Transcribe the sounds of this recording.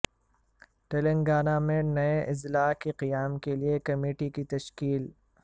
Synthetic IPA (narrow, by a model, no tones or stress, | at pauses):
ʈelẽŋɡaːnãmẽnɐeʔɪzlaːkiqijaːmkeliekɐmeːʈikit̪ɐʃkiːl